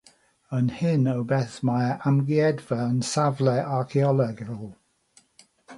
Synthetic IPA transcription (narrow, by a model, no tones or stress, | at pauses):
ənhɪnəwbɛθmaɪəʔamɡiɛdvəənsavlɛʔaɹkʰiɔləɡəlˠ